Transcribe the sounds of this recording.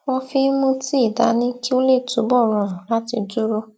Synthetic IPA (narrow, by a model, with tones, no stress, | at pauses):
w̃ɔ̃˧fi˦mũ˦ti˦i˦˨da˨˦nĩ˦ki˦o˦le˦˨tu˨˦bɔ˦˨ɾɔ̃˨la˦ti˧du˦ɾo˦